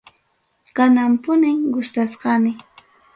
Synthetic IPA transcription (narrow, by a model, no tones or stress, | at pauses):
kanampʊnɪŋɡʊst̪asqɑnɪ